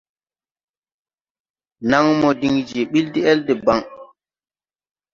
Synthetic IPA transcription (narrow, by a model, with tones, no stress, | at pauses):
na˦ŋmɔ˨di˨ŋd͡ʒe˨ɓi˦ldi˦ɛ˦lde˨ba˦˨ŋ